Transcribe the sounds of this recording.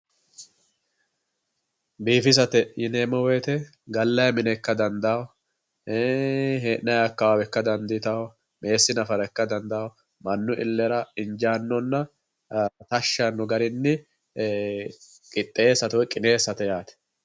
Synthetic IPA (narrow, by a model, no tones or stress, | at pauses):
biːfɪs̬ɐt̪ɛjɪneːmɔwɛjt̪ɛ | ɡɐlːɐjmɪnɛkːɐd̪ɐnd̪aw | ɦeːʔnɐjɐkːɐwaːwɛkːɐd̪ɐnd̪ɪt̪ɐw | mʔe̞ːsːɪnɐfɐɾɛkːɐd̪ɐnd̪aw | mɐnːʊʔɪ̰lːɛɾɐɪnd͡ʒaːnːɔnːɐ | t̪ɐʃːɐnːʊɡɐɾɪnːɪ | kʼɪt̪ʼːeːsɐt̪ɔwɛkʼɪne̞ːsɐt̪ɛjaːt̪ɛ̥